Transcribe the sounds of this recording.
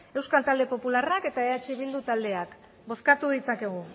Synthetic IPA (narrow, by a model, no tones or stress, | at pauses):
e̞wskalt̪ald̪e̞po̞pularake̞t̪aeat͡ʃiβild̪ut̪ald̪e̞ak | bo̞skat̪uð̞it͡sake̞ɣ̞u